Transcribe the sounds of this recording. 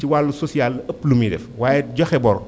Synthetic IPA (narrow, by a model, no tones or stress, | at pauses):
iwalːusɔsialːəpːlumidɛ̰fwaːjɛɟɔxɛbɔɾɔ